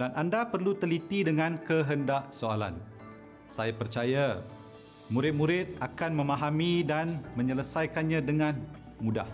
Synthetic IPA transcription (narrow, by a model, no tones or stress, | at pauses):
danʔandapərlut̪əlit̪idəŋãnkəɦəndaʔsoala̰n | sajapərt͡ʃaja | mũɾɪt̪̚mũɾɪt̪̚akanmə̃maɦamĩdanmə̃ɲələsajkanɲãdəŋãn | muda̰h